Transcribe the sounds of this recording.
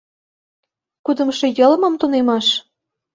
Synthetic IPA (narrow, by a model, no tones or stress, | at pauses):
kud̪ə̆mʃĕjɤ̆lmɤ̆mt̪unemɑʃ